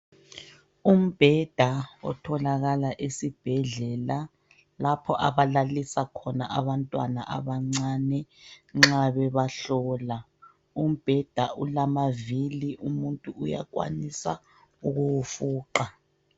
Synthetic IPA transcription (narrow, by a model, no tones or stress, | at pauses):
um̩b̥ʱɛd̥ʱaɔ̰tʰɔlaɣalaʔesib̥ʱɛɮɛla | lapʰɔʔaβalalisakʰɔnaʔaβantʼwana̰ʔa̰βaŋ͡ǀanɛŋ͡ǁaβɛβaɬɔːla | um̩b̥ʱɛd̥ʱaʔulamaviliʔumuntʼuuja̰kwa̰nisa̰ | uɣuwufuːǃa